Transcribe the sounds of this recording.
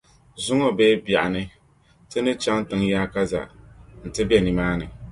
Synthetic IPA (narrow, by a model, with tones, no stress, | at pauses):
zʊ˦ŋɔ˦beː˦bja˨ʔa˨nɨ˦ | tɪ˦nɨ˦t͡ʃa˦ŋ˦tɪ˨ŋjaː˦ka˦za̰˨n̩˨tɪ˦bɛ˨ni˨maː˦nɨ˨